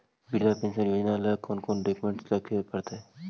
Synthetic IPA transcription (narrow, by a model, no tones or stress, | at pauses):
biɾd̪apẽːnʃənjoːd͡ʒnaləkʰoːnkoːnɖeːkmẽɳʈsləkʰepəɾt̪eɛ